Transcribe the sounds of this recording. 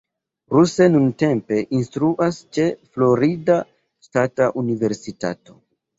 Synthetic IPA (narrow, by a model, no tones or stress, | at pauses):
ɾuse̞nunte̞mpe̞ʔinstɾuʔast͡ʃe̞flo̞ɾida | ʃtataʔunive̞ɾsita̰to̞